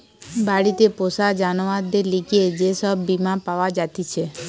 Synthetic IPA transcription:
baɽit̪eposad͡ʒanʋad̪eliɡʰied͡ʒesəbːimãpaʋad͡ʒat̪it͡ʃʰe

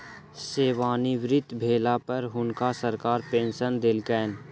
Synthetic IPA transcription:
seːʋaːniʋɾɪt̪bʱeːlapɐɾɦʊnkasəɾkaːɾpẽːnʃənd̪elkɛːn

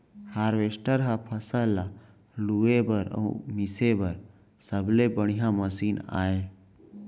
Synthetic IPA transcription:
haːɾʋeːsʈəɾɦapʰəsəlːa | luebəɾə̰umɪsebəɾ | səblebəɽ̤̃ijãməsiːna̰ːe

